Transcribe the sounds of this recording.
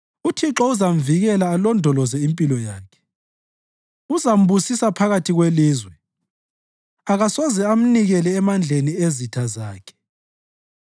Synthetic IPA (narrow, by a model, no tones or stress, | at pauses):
utʰiǁɔuzam̩viɣɛlaːlɔndʱɔlɔzɛimpʼilɔjaːkʰɛ̥ | uzam̩βusisapʰaɣatʰiɣweliːzwɛ | aɣasɔzɛam̩niɣɛlɛːmand͡ɮʱeniezitʰazaːkʰɛ̥